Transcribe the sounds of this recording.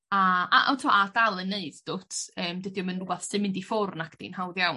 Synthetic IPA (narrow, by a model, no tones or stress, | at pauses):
aa̰ʔa̰tʰɔadalˠəneɨd̥d̥otʰəːmdɨdjɔmənruɡwɛθsɨmɪndifʊrnakʰd̥ḭnhawðjaw